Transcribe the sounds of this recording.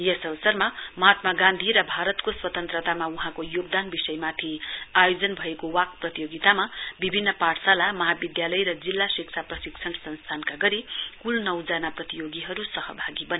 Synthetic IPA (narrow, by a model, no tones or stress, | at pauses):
jʌsʌbʌsʌrmamʌɦat̪maɡãnd̪ʱiɾʌbʱaɾʌt̪koswʌt̪ʌnt̪rʌt̪amauɦãkojoɡ̚d̪anbisʌjmat̪ʰiajod͡zʌnbʱʌekowak̚prʌt̪ijoɡit̪amabibʱinːʌpaʈsalamʌɦabid̪jalʌjrʌd͡zilːasik̚t͡sʰaprʌsikt͡sʰʌɳsʌnst̪ʰankaɡʌɾikulnʌwd͡zanaprʌt̪ijoɡiɦʌɾusʌɦʌbʱaɡibʌni